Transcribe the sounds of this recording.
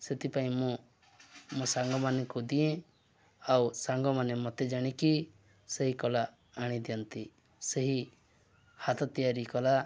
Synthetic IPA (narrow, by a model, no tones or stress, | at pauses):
set̪ipaĩmũ | musaŋɡɔmanekud̪iẽ | awsaŋɡɔmanemɔt̪ed͡ʒaɽ̃ĩki | seɦikɔlaː | ɽ̃ĩd̪ijɔnt̪i | seɦi | hat̪ɔt̪ijaɾikɔla